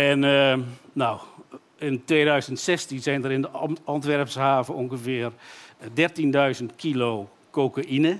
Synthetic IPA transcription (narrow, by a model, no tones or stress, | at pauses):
ɛn | naw | ɪntʋeːdœɥzəntsɛstinsɛjndəɾɪndəɔntʋɛrpshaːvəoŋɣəfɪərdɛrtindœɥzəntkʰiloː | koːkaʔinə